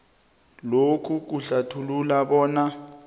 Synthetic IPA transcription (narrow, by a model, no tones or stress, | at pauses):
lokʰuk̬uɬatʰululaɓɔːna